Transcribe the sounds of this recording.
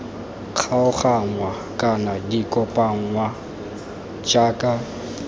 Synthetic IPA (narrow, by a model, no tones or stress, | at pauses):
q͡χʰaʊχaŋwa | kʼanadikʼɔpʼaŋwa | t͡ʃʼaːkʼa